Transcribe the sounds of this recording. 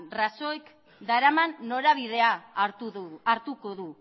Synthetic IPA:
raso̞ek | d̪aɾamanːo̞ɾaβið̞e̞a | aɾt̪uko̞ðu

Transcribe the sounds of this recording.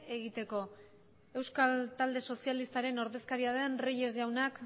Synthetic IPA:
eɣit̪e̞ko̞ | e̞wskalt̪ald̪e̞so̞sialist̪aɾe̞no̞ɾðe̞skaɾiaðenriʎe̞zʝawnak

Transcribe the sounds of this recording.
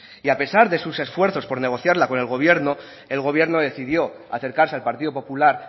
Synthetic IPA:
iape̞saɾðe̞suse̞sfwe̞ɾθo̞spo̞ɾne̞ɣ̞o̞θjaɾlako̞ne̞lɣo̞β̞je̞ɾno̞ | e̞lɣo̞β̞je̞ɾno̞ðe̞θiðjo̞ | aθe̞ɾkaɾse̞alpaɾt̪iðo̞po̞pulaɾ

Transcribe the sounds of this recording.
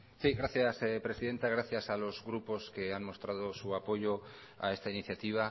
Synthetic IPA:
siɣɾaθjaspɾe̞siðe̞nt̪aɣ̞ɾaθjasalo̞zɣɾupo̞ske̞anmo̞st̪ɾað̞o̞suapo̞ʝo̞ | a̰e̞st̪ainiθjat̪iβ̞a

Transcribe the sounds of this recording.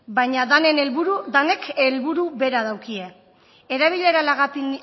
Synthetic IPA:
bajɲaðane̞nelβuɾud̪ane̞kʰe̞lβuɾuβe̞ɾaðawkie̞ | eɾaβiʎe̞ɾalaɣapin

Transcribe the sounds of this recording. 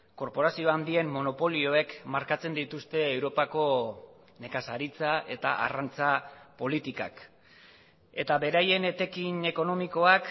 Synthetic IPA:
ko̞ɾpo̞ɾasio̞and̪ie̞mːo̞no̞po̞lio̞e̞kmaɾkat͡se̞nd̪it̪ust̪e̞ːwɾo̞pako̞ | ne̞kasaɾit͡saʔe̞t̪a̰ʔa̰rant͡sapo̞lit̪ika̰k | e̞t̪aβe̞ɾaje̞ne̞t̪e̞kine̞ko̞no̞miko̞ak

